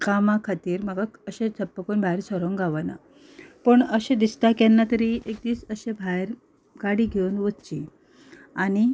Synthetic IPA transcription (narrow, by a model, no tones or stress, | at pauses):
kamakʰat̪iːɾməɡaəɕẽt͡sʰəpːəkoːnbʱaɦjɾsəɾoŋɡʱaʋana̰ | pəɳəɕẽd̪ist̪akɛnːat̪əɾiʔek̚d̪iːsəɕẽbʱajɾ | ɡaɽiːɡʱewnʋətt͡ɕi | añi